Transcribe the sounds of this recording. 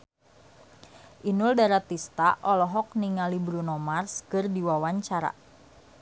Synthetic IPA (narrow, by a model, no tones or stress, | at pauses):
ʔinuldaɾat̪ist̪aʔɔlɔɦɔk̚niŋalibɾunɔmarskɨrdiwawaɲt͡ʃaɾa̰